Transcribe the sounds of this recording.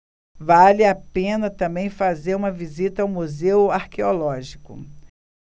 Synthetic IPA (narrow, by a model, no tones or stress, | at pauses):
valɪapẽnɐt̪ɐ̃mbẽj̃fazeɾũmɐvizit̪ɐawmuzewaɾkeolɔʒikʊ